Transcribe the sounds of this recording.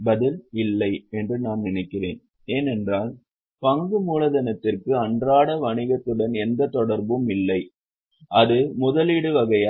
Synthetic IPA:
bɐðɪlɪlːɐɪɛndrɯnaːnnɪnɐɪkːɪrḛːn | eːnɛndraːl | pɐŋɡɯmuːlɐðɐnɐt̪ːɪrkɯɐɳdraːɽɐʋɐɳɪɣɐt̪ːɯɽɐnɛnd̪ɐt̪ːɔɽɐɾbɯmɪlːɐɪ | ʔɐðɯmʊðɐliːɽɯʋɐɣɐjaː

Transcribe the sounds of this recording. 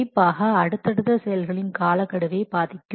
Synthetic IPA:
ɪpːaːɣɐɐɽɯt̪ːɐɽɯt̪ːɐsɛjɐlɣɐɭɪnkaːlɐkːɐɽɯʋeːbaːðɪkʲːɯ

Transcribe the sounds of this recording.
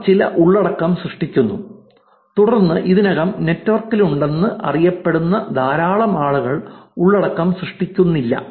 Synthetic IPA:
t͡ɕilɐ̰ʔuɭːɐɽɐkːɐmsrɨʂʈikʲːunːu | t̪uɽɐrnːɨʔiðinɐɣɐmne̞tːʋɐrkːiluɳɖe̞nːɨʔɐ̰rijɐpːe̞ɽunːɐd̪ʱaːɾaːɭɐmaːɭuɣɐɭuɭːɐɽɐkːaːmsrɨʂʈikʲːunːilːɐ̰

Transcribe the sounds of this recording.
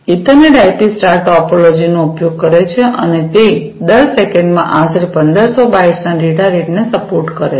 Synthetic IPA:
it̪əneɖajpisʈaɾʈɔpolod͡ʒinoupjoɡ̚kəɾet͡ʃʰeʔənet̪e | d̪əɾsekeɳɖmãʔaseɾpənd̪əɾsobaiʈsnaɖiʈaɾeʈnesəpoɾʈkəɾe

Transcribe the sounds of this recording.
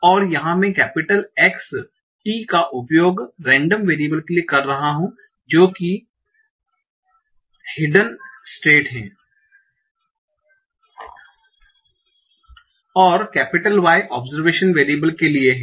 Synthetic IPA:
ɔːɾjɐɦãmẽkɛːpɪʈəleːks | ʈiːkaʔʊpjoːɡɾɛ̃ːɳɖəmʋeːɾibəlkeliekɐɾːɐɦaɦũ | d͡ʒoːki | hɪɖənsʈeːʈɦɛ̰̃ː | ɔːɾkɛːpɪʈəlʋaːeʔɔːbzəɾʋeːʃənʋeːɾibəlkelieɦɛ̃ː

